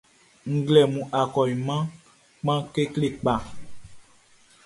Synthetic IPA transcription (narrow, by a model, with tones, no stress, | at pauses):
ŋ̩˨ɡlɛ˨mũ˨ʔa˨kɔ˨ji˨mã˦ | k͡pã˦ke˦kle˦˨k͡pa˨